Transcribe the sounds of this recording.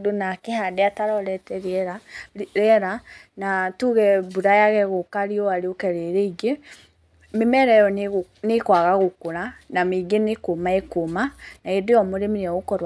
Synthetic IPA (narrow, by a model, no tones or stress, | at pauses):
donakehadeataɾɔɾɛtɛɾɛɾaɾɛɾanatuɣɛbuɾajaɣɛɣokaɾiɔaɾeokɛɾeɾeiɡe | memɛɾɛjɔ | nekwaɣaɣokoɾanameɡenekomaekomanaedeɔmoɾemiɾeɔɣokɔɾwa